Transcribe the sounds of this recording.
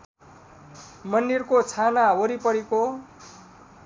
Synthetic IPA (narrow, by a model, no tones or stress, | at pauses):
mʌndirkot͡sʰanaoɾipʌɽeko